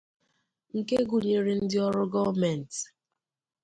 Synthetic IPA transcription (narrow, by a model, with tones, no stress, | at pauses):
ŋ̩˨ke˦ɡu˨ɲe˨ɾe˨n̩˦dɪ˦ɔ˦ɾʊ˦ɡɔ˦mɛ˨n˨t